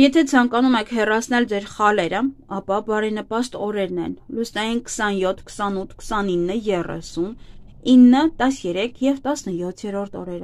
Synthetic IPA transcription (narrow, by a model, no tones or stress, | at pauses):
jɛt̪ʰɛt͡sʰɑŋkɑnumɛkʰhɛrɑt͡sʰnɛld͡zɛɾχɑlɛɾəɑpɑbɑɾɛnəpɑst̪ɔɾɛɾnɛ̰nlusnɑjinkʰə̥sɑnjɔt̪ʰkʰə̥sɑnut̪ʰkʰə̥sɑninːəjɛrɛ̰sun | inːət̪ɑsjɛɾɛkʰjɛvt̪ɑsnəjɔt̪ʰjɛɾɔɾt̪ʰɔ̰ɾɛɾ